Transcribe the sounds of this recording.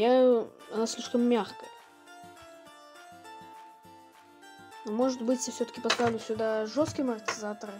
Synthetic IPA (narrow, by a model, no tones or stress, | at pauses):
jaɐnasʲlʲiʂkəmːʲaxkə | nomo̞ʐɨt̪bɨtʲsəfsʲoə̥kʲɪ̥pɐst̪avlʲʊsʲʊd̪aʐost̪̚kʲəmərt̪ʲɪzat̪əɾɨ